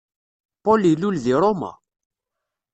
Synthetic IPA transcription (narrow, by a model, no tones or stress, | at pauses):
polilːulðiɾˤoma̰